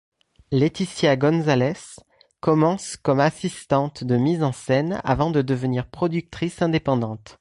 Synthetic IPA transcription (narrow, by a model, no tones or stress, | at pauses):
let̪isjaɡɔnzalɛs | kɔmɑ̃skɔmasist̪ɑ̃t̪d̪əmizɑ̃sɛna̰vɑ̃d̪əd̪əvəniʁpχɔd̪yk̚t̪χisɛ̃d̪epɑ̃d̪ɑ̃t̪